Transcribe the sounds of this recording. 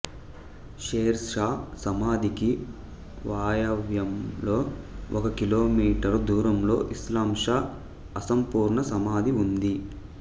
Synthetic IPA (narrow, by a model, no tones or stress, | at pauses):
ʃeːɾʂaːsɐmaːd̪iki | ʋaːjɐʋjɐmlo̞ːʔɔkɐkilo̞ːmiːʈɐɾd̪uːɾɐmlo̞ːʔislaːmʂaː | ɐsɐmpuːɾɳɐsɐmaːd̪ʱiund̪i